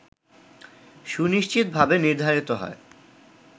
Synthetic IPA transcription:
ʃuniʃt͡ɕit̪̚bʱabeniɾd̪ʱaɾit̪oɦɔ̰e

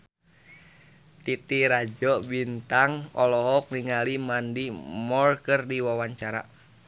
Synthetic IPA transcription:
t̪it̪iɾad͡ʒɔbint̪aŋɔlɔɦɔk̚niŋalimandimɔrkərdiwawaɲt͡ʃaɾa̰

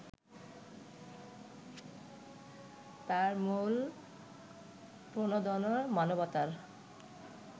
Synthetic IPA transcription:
t̪aɾmul | pɾonod̪ɔnoɾmanobɔt̪aɾ

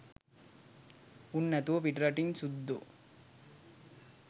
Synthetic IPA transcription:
unːɐt̪upiʈɾɐʈiŋsud̪ːu

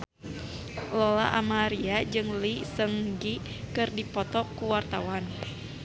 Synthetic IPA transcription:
lɔla̰ʔamaɾiad͡ʒɨŋlisəŋɡi | kɨrdipɔt̪ɔkuwart̪awan

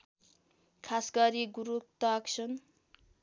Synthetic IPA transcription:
kʰasɡʌɾiɡuɾuk̚t̪ʌkt͡sʰʌn

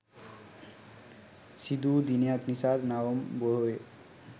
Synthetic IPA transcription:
sid̪ud̪inijak̪nisad̪nawɔmbɔɦoe

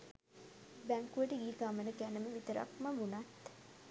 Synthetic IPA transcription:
bæŋkuəʈəiːɡaːmənəkænəməʋit̪əɾa̰kməʋunat̪

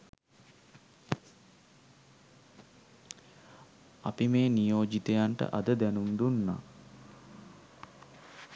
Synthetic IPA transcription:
apimeːnijoːd͡ʒit̪ejaɳʈə̰ʔad̪əd̪ænumd̪unːa̰

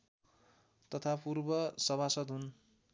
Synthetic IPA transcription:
t̪ʌt̪ʰapurbʌsʌbasʌd̪ɦun

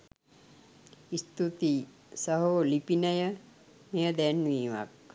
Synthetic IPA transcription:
ist̪ut̪i | səɦoːlipinəjə | mejəd̪ɛnːʋiːʋa̰k̚

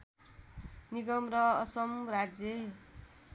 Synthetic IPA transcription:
niɡʌmɾʌːsʌmrad͡zje

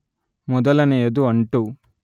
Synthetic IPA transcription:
mɔd̪ɐlɐnejed̪uɐɳʈu

